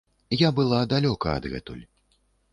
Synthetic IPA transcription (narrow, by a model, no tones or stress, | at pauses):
jabɨlˠad̪alʲɔkɐɐ̰d̪ɣɛ̰t̪ṵlʲ